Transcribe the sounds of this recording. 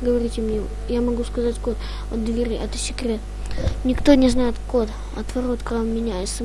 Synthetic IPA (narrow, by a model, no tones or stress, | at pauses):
ɡəvɐɾʲitʲɪmnʲe | jamɐɡuskɐzatʲko̞t̪ | ot̪̚d̪vʲɪɾʲiʔɛt̪ə̥ɕʲɪkɾʲe | nʲɪkt̪o̞nʲɪznajɪt̪ko̞t̪ | ɐ̰t̪vɐɾo̞t̪kɾammʲɪnʲæjɪt̪sə